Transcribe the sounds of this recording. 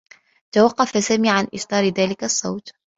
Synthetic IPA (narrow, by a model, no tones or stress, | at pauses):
t̪awɑqːɑfasaːmiːʕanʔɪʃt̪ˤɑːɾɪðaːlɪkasˤːɑ̰wt̪